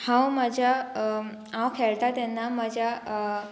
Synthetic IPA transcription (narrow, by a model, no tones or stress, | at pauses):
hãwmad͡ʑʱa | ãwkʰɛɭt̪at̪ɛnːamad͡ʑa